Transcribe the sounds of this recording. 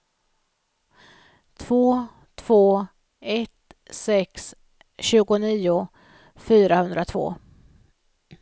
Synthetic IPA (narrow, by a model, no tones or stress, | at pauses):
t̪ʰv̥oː | t̪ʰv̥oː | ɛt̪sɛks | ɕʉ̟ːɡʊniːʊ | fyːɾahɵnd̪ɾat̪ʰvo̰ː